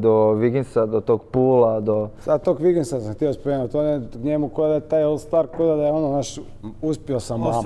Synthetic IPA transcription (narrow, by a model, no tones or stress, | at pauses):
d̪oʋiɡensad̪ot̪oɡpuːlad̪osat̪oɡʋikensasãŋxt̪iospomeːnut̪onekɲemukodd̪ajet̪aːjolˠt̪st̪ʋaɾkod̪ad̪ajeononaʃ | uspiosama